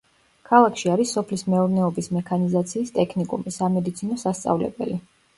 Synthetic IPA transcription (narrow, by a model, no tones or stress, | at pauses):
kʰalˠakʰʃiaɾisːɔpʰlismɛɔɾnɛɔbismɛkʰanizat̪sʰiːst̪ʼɛkʰnikʼṵɾmisamɛd̪it̪sʰinɔsast̪sʼa̰vlɛ̰bɛ̰li